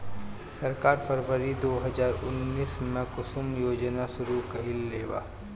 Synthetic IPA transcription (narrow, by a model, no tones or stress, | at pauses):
sɐɾkaːɾpʰəɾʋəɾid̪oːɦɐzaːɾʊnːiːsmẽkʊsʊmjoːd͡ʒnaʃʊɾukɐɦɪlːeːʋa̰ː